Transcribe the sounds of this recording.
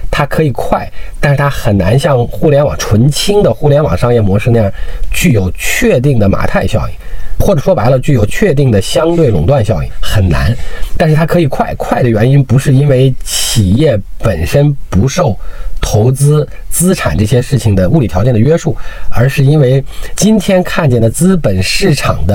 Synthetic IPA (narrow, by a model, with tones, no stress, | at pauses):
t̪ʰa˥kʰɤ˧˥i˨˩kʰwa˥˩ɪt̪a˥˧ʂɻ̩˥˩t̪ʰa˥xə˨˩nna˧˥nɕjɑ˥˧ŋxu˥˩ljɛ˧˥nwɑ˨˩ŋʈ͡ʂʰwə˧˥nt͡ɕʰi˥ŋd̪ə˨xu˥˩ljɛ˧˥nwɑ̰˨˩ŋʂɑ˥˧ŋjɛ˥˩mwɔ˧˥ʂɻ̩˥˧na˥˧jɑ˥˩t͡ɕy˥˩jo˨˩ʊt͡ɕʰɥɛ˥˧t̪̬i˥˩ŋd̪ə˩ma̰˨˩t̪ʰa˥˧ɪɕjɑ˥˩ʊḭ˨˩˦xwɔ˥˩ʈ͡ʂɤ˨˩ʂwɔ˥pa˧˥ɪlə˧t͡ɕy˥˩jo˨˩ʊt͡ɕʰɥɛ˥˧t̪i˥˩ŋd̪ə˩ɕjɑ˥ŋt̪we˥˩ɪlʊ˨˩ŋt̪wa˥˧nɕjɑ˥ʊḭ˨˩xə˨˩nna̰˧˥nt̪a˥˧nʂɻ̩˥˩t̪ʰa˥kʰɤ˧˥i˨˩kʰwa˥˩ɪkʰwa˥˩ɪd̪ə˩ɥɛ˧˥ni˥npu˧˥ʂɻ̩˥˩i˥nwe˧˥ɪt͡ɕʰi˨˩jɛ˥˩pə˨˩nʂə˥npu˧˥ʂo˥˩ʊt̪ʰo˧˥ʊt͡sɹ̩˥ | t͡sɹ̩˥ʈ͡ʂʰa̰˨˩nʈ͡ʂɤ˥˩ɕjɛ˥ʂɻ̩˥˩t͡ɕʰi˨˩ŋd̪ə˩u˥˩li˨˩t̪ʰjt͡ɕjɛ˥˩nd̪ə˩ɥɛ˥ʂu˥˩ə˞˧˥ʂɻ̩˥˧i˥nwe˥˧˩ɪt͡ɕi˥nt̪ʰjɛ˥nkʰa˥˧nt͡ɕjɛ˥˩nd̪ə˩t͡sɹ̩˥pə˨˩nʂɻ̩˥˩ʈ͡ʂʰɑ˨˩ŋd̪ə˦